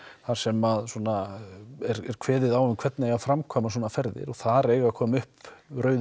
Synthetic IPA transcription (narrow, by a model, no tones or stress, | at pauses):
θaɾ̥sɛmaðsɔːnaɛɾɛɾ̥kʰvɛːðɪðawʏmkʰv̥ɛt̪nɪaɣafɾamkʰɔːmasɔːnafɛɾðɪ̰ɾɔɣθaɾeːjɣakʰɔːmʏhprœːɥð